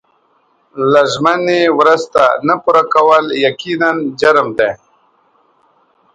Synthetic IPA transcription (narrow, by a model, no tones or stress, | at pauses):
laʒmanewɾəzt̪a̰napuɾakawəljakinand͡ʒaɾmd̪e